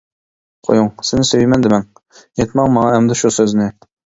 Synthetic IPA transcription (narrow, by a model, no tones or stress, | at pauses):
qʰo̰juŋsɪnɪsøjmɛnd̪ɪmɛŋ | jet̪mɑŋmɑŋɑɦɛmd̪ɪʃusøznɪ